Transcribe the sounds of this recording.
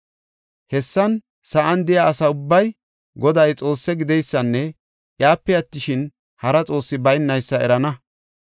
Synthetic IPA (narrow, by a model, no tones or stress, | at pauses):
hɛsːɐn | sɐʔɐnd̪ɪjaːsɐʊbːɐj | ɡɔd̪ɐjt͡sʼo̞ːsːɛɡɪd̪ɛjsːɐnːɛ | jaːpːɛɐt̪ːɪʃɪn | hɐɾɐt͡sʼo̞ːsːɪbɐjnːɐjsːɐɛ̰ɾɐnɐ